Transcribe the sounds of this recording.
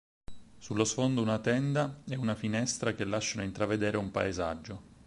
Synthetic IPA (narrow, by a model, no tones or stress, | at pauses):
sulːosfond̪ounat̪ɛnd̪aɛunafinɛst̪ɾak̟elːaʃːanoint̪ɾaved̪eːɾeumpa̰eza̰d͡ʒːo